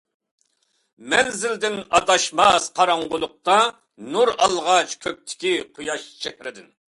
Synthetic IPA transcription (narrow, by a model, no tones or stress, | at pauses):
mɛnzɪld̪ɪnɑt̪ɑʃmɑsqʰɑɾɑɴʁʊlˠʊq̚t̪ɑ | nuɾɑlˠʁɑt͡ʃkʲʰøp̚t̪ʰɪ̥kʲiqʰojɑʃt͡ʃʰɛkʲɾɪd̪ɪn